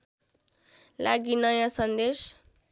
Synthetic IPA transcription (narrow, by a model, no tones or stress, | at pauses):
laɡinʌjãsʌnd̪es